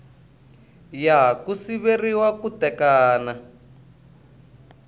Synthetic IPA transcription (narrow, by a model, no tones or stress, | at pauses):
jakusiβeriwakutɛkaːna